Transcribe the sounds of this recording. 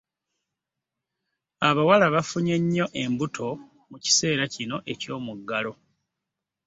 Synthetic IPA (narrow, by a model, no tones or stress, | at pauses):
aβawalaβafuɲeɲːo̞ʔe̞mbutʰo̞ | muci̥se̞ːɾacino̞ʔe̞co̞ːmuɡːalo̞